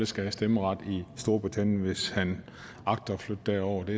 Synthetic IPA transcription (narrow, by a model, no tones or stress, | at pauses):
ləsɡ̥æhæsd̥eməʁɑ̈d̥isd̥o̝ɐb̥ʁit͡sʰæn̰jnʋe̝shæn | ɑ̈ɡ̥̚d̥ɐflød̥ːæɐ̰ɒʊ̰ɐd̥e̝